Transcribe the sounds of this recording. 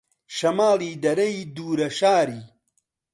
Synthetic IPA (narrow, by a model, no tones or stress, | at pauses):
ʃɐmaːliːd̪ɐɾɐid̪uːɾɐʃaːɾiː